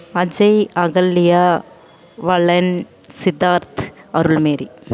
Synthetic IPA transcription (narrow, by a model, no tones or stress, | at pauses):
ɐd͡ʒɐɪɐɣɐlːɪja | ʋɐɭɐn | sɪd̪aːɾt̪ɐɾɯɭmeːɾi